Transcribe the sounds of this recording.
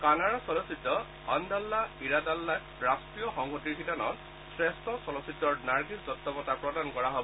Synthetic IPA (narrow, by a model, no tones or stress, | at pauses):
kanaɹasɔlɔsitːɔ | ɔndalːaiɹadalːa | ɹastijɔxɔŋɡɔtiɹkʰitanɔ̰n | sɹestʰɔsɔlɔsitːɔɹnaɹɡisɡɔtːɔpɔtapɹɔdankɔɹaɦobɔ